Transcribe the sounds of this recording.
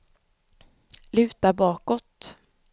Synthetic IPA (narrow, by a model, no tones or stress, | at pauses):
lʉ̟ːt̪abɑːkɔt̪